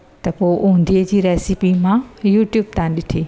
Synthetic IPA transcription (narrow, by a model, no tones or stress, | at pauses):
t̪ɐpoːʔũɦnd̪iəd͡ʑiːɾɛːsipimãjuːʈjuːb̚t̪ʰãːnɗɪʈʰiː